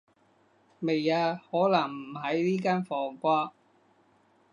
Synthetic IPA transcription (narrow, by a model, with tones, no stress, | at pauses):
me˨jaː˧hɔː˨˥lɐ˨˩ŋm̩˨˩ɦɐ˨˥jliː˥kaː˥nfɔː˨˩ŋkʷaː˥